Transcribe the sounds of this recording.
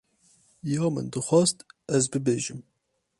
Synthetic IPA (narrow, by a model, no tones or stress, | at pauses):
jɑːmɨ̰nd̪ɨxʷɑːst̪ɛzbɨbeːʒɨm